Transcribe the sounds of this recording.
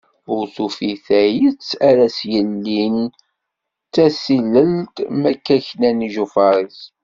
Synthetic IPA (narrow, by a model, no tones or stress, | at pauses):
ʊɾθufiθæjit͡sːæɾæsjəlːin | tːæsiləlt̪mækːæçnæniʒufɑɾˤis